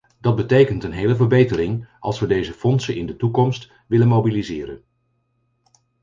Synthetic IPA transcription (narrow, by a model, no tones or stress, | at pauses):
dɑt̚bətejkəntənɦejləvəɹbejtərɪŋʔɑ̰lˠsʋədejzəfɔnsənɪ̰ndətukɔmst | ʋɪlənmowbilizɪːɾən